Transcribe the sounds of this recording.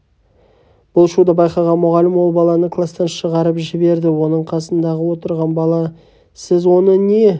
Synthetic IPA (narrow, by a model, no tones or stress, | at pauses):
b̥ʊlˠʃud̪əbɑjqɑʁɑnmʊʁɑlɪmwo̞lˠbɑlˠɑnəkʰlˠast̪ɑnʃəʁɑɾəpʒɪbe̞ɾd̪ɪwo̞nəɴqʰɑsənd̪ɑʁəwo̞t̪əɾʁɑnbɑlˠɑ | sɪzwo̞nəne̞